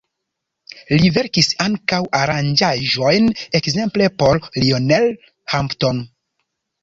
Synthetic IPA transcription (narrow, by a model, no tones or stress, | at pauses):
live̞ɾkisaŋkawʔaɾand͡ʒaʒo̞jnekze̞mple̞po̞ɾlionel | hampton